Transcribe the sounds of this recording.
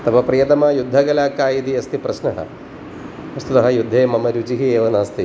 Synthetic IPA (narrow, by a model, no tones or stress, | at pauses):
t̪ɐpɐpɾɐjɐt̪ɐmɐːjud̪ʱːɐɡɐlaːkaːjit̪iɐst̪ipɾɐʃnɐɦɐ̰ | ɐst̪ʰut̪ɐɦɐ̆jud̪ʱːeːmɐmɐɾut͡ʃiɦieːʋɐnɐːst̪i